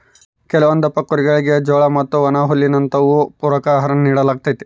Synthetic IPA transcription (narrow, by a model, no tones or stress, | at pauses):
kɛlɐʋɐnd̪ɐpɐkːuɾiɡɐɭiɡe̞d͡ʒɔːɭɐmɐt̪ːuʋɐnaːɦulːinɐnt̪ɐʋupuːɾɐkɐɦɐɾɐnniːɽɐlaːɡ̚t̪ajt̪e̥